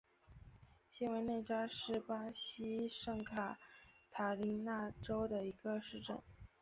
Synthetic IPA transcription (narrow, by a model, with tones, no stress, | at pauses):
ɕi˥nwe˧˥ɪne˥˩ɪʈ͡ʂa˥ʂɻ̩˥˩pa˥ɕi˥ʂɤ˥˩ŋkʰa˨˩t̪ʰa˨˩li˧˥na˥˩ʈ͡ʂo˥ʊd̪ə˨i˧˥ɡ̥ə˧ʂɻ̩˥˧ʈ͡ʂə̰˥˩n